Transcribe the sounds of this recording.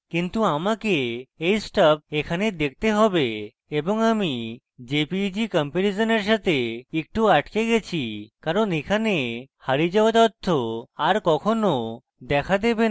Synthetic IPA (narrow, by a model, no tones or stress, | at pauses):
kint̪uamakeejsʈap̚ekʰaned̪ek̚ʰt̪eɦɔbe | eboŋami | d͡ʒepid͡ʒikɔmpenid͡ʒɔneɾʃat̪eek̚ʈuaʈkeɡɛt͡ɕʰikaɾonekʰanehaɾid͡ʑabat̪ɔt̪ʰːoaɾkɔkʰono | d̪ɛkʰad̪ebe